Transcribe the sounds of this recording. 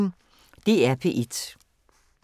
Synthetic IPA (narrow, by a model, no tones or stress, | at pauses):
ŋ | d̥e̝ːæɐpʰe̝̰ːʔed̥